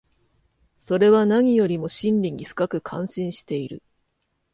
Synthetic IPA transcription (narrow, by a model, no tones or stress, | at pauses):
so̞ɾe̞βanaɲ̟ijo̞ɾʲimo̞ɕĩnɾʲiɲ̟ːiɸɯ̟̥kakɯ̟kʰãɰ̃ɕĩɰ̃ɕi̥t̪e̞iɾɯ̟